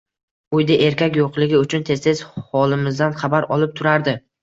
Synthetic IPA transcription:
ʊjd̪aʔe̞ɾkʲakʲjoqlˠɪɡʲɪʊt͡ʃʰʊnt̪ʰe̞st̪ʰez̥hɒlˠɪmɪzd̪anχɑbaɾɒlˠɪp̚t̪ʰʊɾaɾd̪ɪ

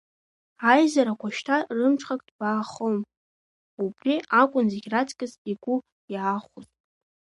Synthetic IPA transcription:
ajzaɾakʷʰaʃtʰarɨmʈ͡ʂʰʼχakʼd̥baːχom | ubriakʷʼʊnzeɡʲratʰkʲʼɨziɡʷu | jaːχʷuzʼ

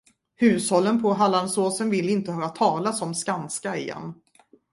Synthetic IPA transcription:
hʉ̟ːshɔlːənpʰɔɦalːansoːsənvɪlːɪnt̪əhœːɾat̪ʰɑːlasɔmskanskaɪjɛ̰nː

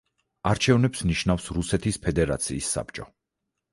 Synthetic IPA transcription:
aɾt͡ʃʰɛvnɛpsniʃnafsɾusɛt̪ʰispʰɛd̪ɛɾa̰t̪sʰiːsːa̰pt͡ʃʼɔ

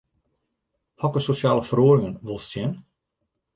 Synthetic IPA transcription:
hɔkəsosjaːləfəroːɾɪŋənʋʊlˠstjɛn

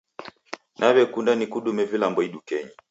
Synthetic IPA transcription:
nʔaβɛkundanikuɗumɛvilambɔiɗukɛɲi

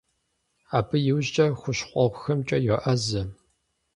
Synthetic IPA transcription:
aːbʰɨjɪwʑt͡ʃʼɐxʷʊɕqʷʼɔʁʷxɐmt͡ʃʼɐjɛʔɐzɐ

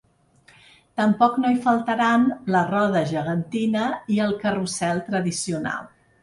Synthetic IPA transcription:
t̪əmpɔknoifəlˠt̪əɾanlərɔðəʒəɣənt̪inəiəlˠkərusɛlˠt̪ɾəðisiuna̰lˠ

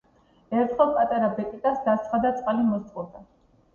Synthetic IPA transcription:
ɛɾt̪ʰχɛlˠpʼat̪ʼaɾabɛkʼit̪ʼasd̪ast̪sʰχad̪at̪sʼqʼalimɔst̪ʼχʼɔd̪a

